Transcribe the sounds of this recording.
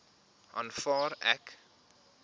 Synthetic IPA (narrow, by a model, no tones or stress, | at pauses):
ɑ̰nfɑːɾɛk